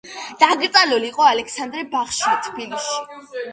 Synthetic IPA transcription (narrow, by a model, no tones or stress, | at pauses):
d̪̥aɡt̪ʼaluliːqʼɔalɛkʰsand̪ɾɛbaχʃat̪ʰbilisʃi̥